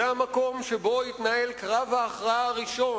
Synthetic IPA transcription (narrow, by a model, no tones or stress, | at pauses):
eamako̞mʃebo̞it̪naelkʁavhaːχʁaaaʁiʃo̞